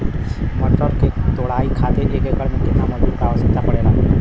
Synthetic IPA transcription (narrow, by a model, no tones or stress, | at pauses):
məʈəɾket̪oɽaikʰat̪eɾiekekəɭmeket̪aməd̪ʱukaʋəɕəkt̪apəɽela